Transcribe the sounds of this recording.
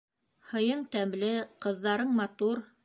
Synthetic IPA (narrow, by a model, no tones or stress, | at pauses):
hɤ̆jɤɴt̪æmlɘqɤ̆ðːɑɾɤɴmɑt̪uɾ